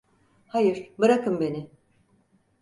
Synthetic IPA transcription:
hajɯɾ̥bɯɾakʰɯmbe̞nɪ

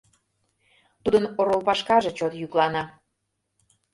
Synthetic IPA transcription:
t̪ud̪ənoɾolpɑʃkɑʒet͡ɕot̪jyklɑnɑ

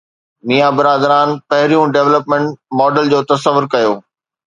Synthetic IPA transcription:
miːjabɪɾaːd̪ɾaːnpɐɦɪɾijũɖeːʋləpmẽɳʈmɔːɖəld͡ʑoːt̪ɐsəʋːʊɾkɐjoː

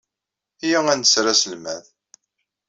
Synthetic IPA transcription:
jæænsɾasəlmæð

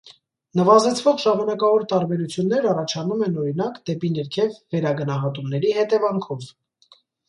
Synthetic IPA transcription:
nəvɑzɛt͡sʰvɔʁʒɑmɑnɑkɑvɔɾt̪ɑɾbɛɾut͡sʰjunːɛɾɑrɑt͡ʃʰɑnumɛnɔɾinɑkd̪ɛpinəɾkʰɛvːɛɾɑɡənɑɦɑt̪umnɛɾihɛt̪ɛvɑŋkʰɔv

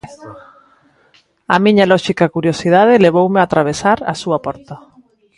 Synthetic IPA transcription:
amiɲalɔʃikakuɾjosið̞aðɪleβ̞owmeat̪ɾaβ̞esaɾa̰suapɔɾt̪a

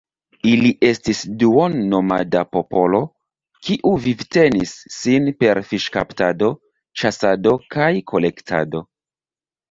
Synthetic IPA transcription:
iliʔe̞stisduonːo̞ma̰dapo̞po̞lo̞ | kiʔuvivte̞nisːinpe̞ɾfiʃka̰ptado̞ | t͡ʃasado̞kajkʰo̞le̞ktʰa̰do̞

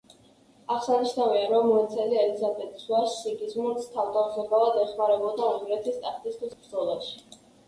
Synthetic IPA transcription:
aχsaniʃnaviaɾɔmːɔɛt̪sʰɛliɛlizabɛt̪ʼisvaʃːiɡiznuɾt̪sʰt̪ʰavd̪avzɔɡavad̪ɛχmaɾɛbɔd̪aːŋɡɾɛt̪ʰist̪ʼaχt̪ʼist̪ʰwisbɾd̪zɔlˠaʃi̥

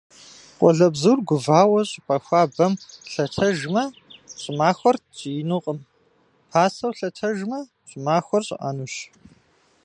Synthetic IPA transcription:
qʷʼɔɮɐbzuːrɡʷʊvaːwɐɕʼɪpʰʼɐxʷaːbɐmɬɐtʰɐʒmɐɕʼɪmaːxʷɐrt͡ʃʼijnuqʼəm | pʰaːsɐwɬɐtʰɐʒmɐ | ɕʼɪmaːxʷɐrɕʼɪ̰ʔa̰ːnuːɕ

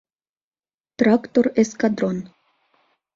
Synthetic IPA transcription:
t̪rɑkt̪oreskɑd̪ron

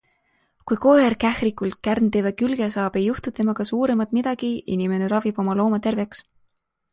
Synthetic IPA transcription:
kujkoːerkæhrikˑult̪̚kærnt̪evekylɡ̥esɑːb̥e̞jːuht̪ut̪ːe̞mɑkɑsuːɾe̞mɑt̪ˑmid̪̥ɑɡ̥iḭnime̞ne̞ɾɑvib̥o̞mɑlo̞ːmɑt̪e̞rve̞ks

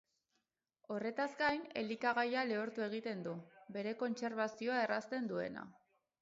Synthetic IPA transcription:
o̞re̞t̪azɡajne̞likaɣ̞ajale̞oɾt̪ue̞ɣ̞it̪e̞nd̪ube̞ɾe̞ko̞nt͡se̞ɾβ̞asio̞ae̞rast̪e̞nd̪ue̞̰na̰

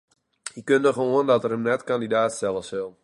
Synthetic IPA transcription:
ikøndəxʋoəndɔtərəmnɛtkandidaːtstɛlˠəsɪlˠ

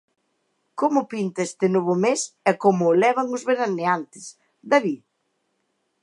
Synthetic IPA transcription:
komʊpint̪aest̪ɪnoβʊmesɛkomʊːlɛβ̞ɐŋʊzβeɾaneant̪ɪ̥s | d̪aβi

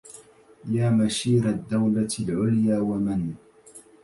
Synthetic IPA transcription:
jaːmaʃiːɾad̪ːawlalʕʊljaːwaman

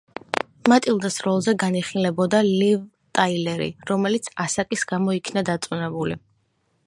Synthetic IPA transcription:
mat̪ʼilˠd̪asɾɔlˠzɛɡaniχilɛbɔd̪aliv | t̪ʼailɛɾḭɾɔmɛlit̪sʰasakʼisɡamɔikʰnad̪at̪sʼunɛbulḭ

